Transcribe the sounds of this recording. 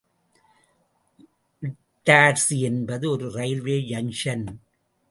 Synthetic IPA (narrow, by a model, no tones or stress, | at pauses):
ʔɪ | ʈːaːɾsɛnbɐðɯɔɾɯɾɐɪlʋeːjɐnʃɐn